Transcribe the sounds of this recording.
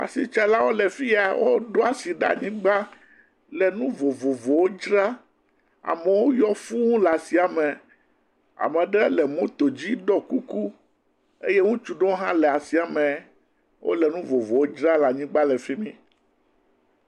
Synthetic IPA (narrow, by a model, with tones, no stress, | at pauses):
a̰˨si˨t͡ʃa˦la˦wo˦lɛ˨fi˦a˨wo˦ɖo˦a˨si˨ɖa̰˦ɲĩ˦ɡ͡ba˦ | lɛ˨nũ˦vo˨vo˨vo˨wo˦d͡ʒɾa˦ | a̰˨mɛ˨wo˦jɔ˦fu˦ŋũ˦la˨si˨a˨mɛ̃˨ | a̰˨mɛ̃˨ɖɛ˦lɛ˨mũ˦t̪o˨d͡ʑi˦ɖɔ˦ku˦ku˦ | e˦je˦ŋũ˦t͡ʃu˨ɖõ˦o˦ɦã˦lɛ˨a˨si˨a˨mɛ̃˨ | wʔo̰˦lɛ˨nũ˦vo˨vo˨wo˦d͡ʒɾa˦la˨ɲĩ˦ɡ͡ba˦lɛ˨fi˦mĩ˦